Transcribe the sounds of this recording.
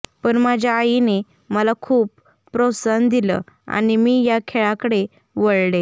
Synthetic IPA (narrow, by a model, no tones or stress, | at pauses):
pəɳmad͡ʑʱjaːjine | məlakʰuːpː | ɾosənd̪iləa̰ɽ̃imiːjakʰeɭakəɽe | ʋəɭle